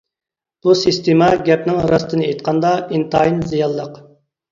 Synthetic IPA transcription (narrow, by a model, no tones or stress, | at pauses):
b̥usɨst̪ʰemɑɡʲɛpnɪŋɾɑst̪ɨnɨejt̪̚qʰɑnd̪ɑint̪ʰɑjinzijɑlˠːəq